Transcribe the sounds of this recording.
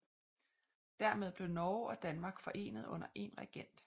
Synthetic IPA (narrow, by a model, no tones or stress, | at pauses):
d̥æɐmeð̞ˠb̥le̝ʊnɒːɒ̽d̥ænmɑ̈ːɡ̥fɒ̽ʔe̝̰ːnəð̞ˠɔ̽n̰ɐʔe̝nʁaɡ̥en̰d̥